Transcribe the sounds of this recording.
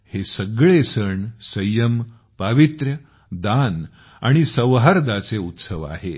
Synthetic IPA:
hesəɡɭesəɳsəjəm | paʋit̪ɾjə | d̪an | a̰ɽ̃isəʋɦaɾd̪at͡seut̪səʋa̰ɦe

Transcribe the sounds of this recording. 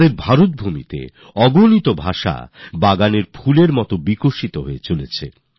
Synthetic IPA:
eɾbʱaɾot̪̚bʱumḭt̪ḛ | ɔɡonit̪obʱaʃa̰baɡaneɾfʰuleɾmɔt̪obikoʃit̪oɦoet͡ɕolet͡ɕʰḛ

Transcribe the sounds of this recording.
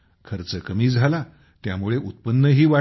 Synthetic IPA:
kʰəɾt͡səkəmiːd͡zʱala | t̪jamuɭeʔut̪̚pənːəɦiːʋa

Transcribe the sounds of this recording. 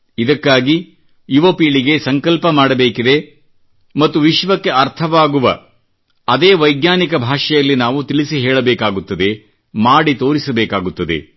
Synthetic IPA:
id̪ɐkːaːɡi | jiʋɐpiːɭiɡe̞sɐŋkɐlpɐmaːɽɐbeːkid̪e̞ | mɐt̪ːuʋiʃʋɐkːe̞ɐɾt̪ʰɐʋaːɡuʋɐ̰ | ɐd̪eːʋɐjɡnaːnikɐbʱaːʂɐjɐlːinaːʋut̪iɭisiɦɛːɭɐbɛːkaːɡut̪ːɐd̪e̞ | maːɽit̪o̞ːɾisɐbɛːkaːɡut̪ːɐd̪e̞̰

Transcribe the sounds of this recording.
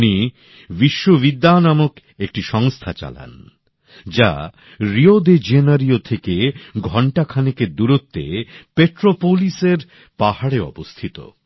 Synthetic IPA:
ni | biʃːobid̪ːanamok | ek̚ʈiʃɔŋst̪ʰat͡ɕa̰la̰n | d͡ʑa̰ | ɾiod̪ed͡ʑenaɾiot̪ʰekeɡʱɔɳʈakʰaneked̪uɾot̪ːḛpeʈɾopoliseɾ | pahaɽeɔ̰bost̪ʰit̪o̰

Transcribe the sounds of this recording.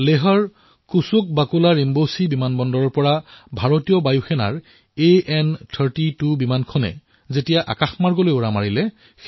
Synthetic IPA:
leɦɔɹ | kusʊk̚bakulaɹimbosibimanbɔndɔɹɔɹpɔɹabʱaɹotijɔbajuxʰɛna̰ɹ | eʔɛntʰəɹtitubimankʰɔnɛ̰ | zetijaʔa̰kaxmaɹɡolojoɹamaɹilɛ

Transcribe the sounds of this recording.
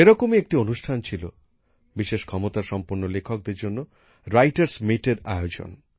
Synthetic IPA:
eɾɔkomiek̚ʈionusʈʰant͡ʃʰilo | biʃeʃkʰɔmot̪aɾʃɔmpuɾnolekʰɔk̚d̪eɾd͡ʒonːo | ɾajʈaɾsmiʈeɾa̰jod͡ʒo̰n

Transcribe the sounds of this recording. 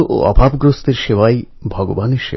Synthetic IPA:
ʔo̰ɔbʱabɡɾost̪eɾʃewaj | bʱɔɡobaneɾʃḛ

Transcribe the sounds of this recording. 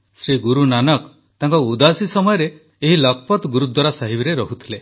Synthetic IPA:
sɾiɡuɾunanɔk | t̪aŋkɔud̪asisɔmɔjɔɾeː | ɦilɔkʰɔpɔt̪ɡuɾud̪ʱwaɾasaɦibiɾeɾɔɦut̪ʰile

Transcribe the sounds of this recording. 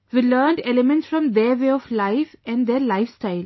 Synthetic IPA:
ʋiləːɳɖelɪmɛ̃ɳʈsfɾɔ̃md̪eɾʋeːɔʋlaɪfɛ̃ɳɖd̪eɾlaɪfsʈaɪl

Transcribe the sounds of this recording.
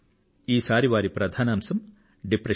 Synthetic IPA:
iːsaːɾiʋaːɾipɾɐd̪ʱaːnaːmsɐm | ɖipɾɐ

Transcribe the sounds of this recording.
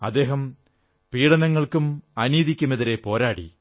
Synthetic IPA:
ɐ̰d̪ːe̞ːɦɐm | piːɽɐnɐŋːɐɭkumɐniːðikʲːumeðiɾe̞po̞ːɾaːɽḭ

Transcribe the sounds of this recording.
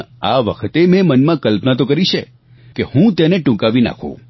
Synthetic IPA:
a̰ʋəkʰt̪emẽmənmãkəlpnat̪okəɾiʃʰe | kehũt̪eneʈũkaʋina̰kʰõ̰

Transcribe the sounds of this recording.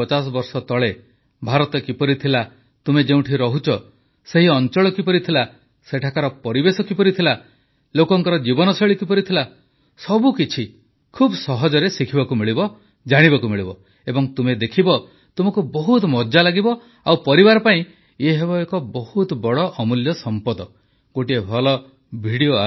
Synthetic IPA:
ɔt͡ʃasɔbɔɾsɔt̪ɔɭe | bʱaɾɔt̪ɔkipɔɾit̪ʰila | t̪umed͡ʒeũʈʰiɾɔɦut͡ʃʰɔ | seɦiɔnt͡ʃɔɭɔkipɔɾit̪ʰila | seʈʰakaɾɔpɔɾibesɔkipɔɾit̪ʰila | lokɔŋkɔɾɔd͡ʒibɔnɔseɭikipɔɾit̪ʰila | sɔbukit͡ʃʰi | kʰubsɔɦɔd͡ʒɔɾesikʰibakumiɭibɔ | d͡ʒaɽ̃ibakumiɭibɔ | ebɔŋt̪umed̪ekʰibɔ | t̪umɔkubɔɦut̪mɔd͡ʒalaɡibɔ | awpɔɾibaɾɔpaĩ | eɦebɔekɔbɔhut̪bɔɭɔʔɔmuljɔsɔmpɔd̪ɔ | ɡ̥oʈiebʱɔlɔ | bʱiɽioa

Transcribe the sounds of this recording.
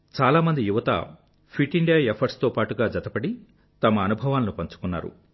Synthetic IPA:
t͡ʃaːlaːmɐnd̪ijuʋɐt̪ɐ̰ | pʰiʈiɳɖijaːepʰɐɾst̪oːpaːʈuɡaːd͡ʒɐt̪ɐpɐɽi | t̪ɐmɐːnubʱɐʋaːlɐnupɐɲt͡ʃu̥kunːa̰ːɾṵ

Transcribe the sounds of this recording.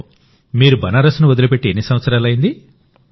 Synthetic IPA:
miːɾubɐnaːɾɐsnuʋod̪ɐlupe̞ʈːienːisɐʋɐt̪sɐɾaːlɐjind̪i

